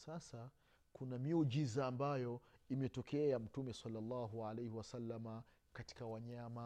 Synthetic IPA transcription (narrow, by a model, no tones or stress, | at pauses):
sasa | kunamiɔd͡ʒizaːmbajɔimɛtɔkɛam̩tumɛsalːalːɑːɦualejhiwasalːama | kati̥kawaɲama